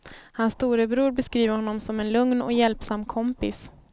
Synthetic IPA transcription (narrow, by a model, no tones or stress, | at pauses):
hansːt̪uːɾəbɾuːɾbɛskɾiːvəɾhɔnːɔmsɔmɛnlɵŋnɔ̰kjɛlpsamːkʰɔmpɪs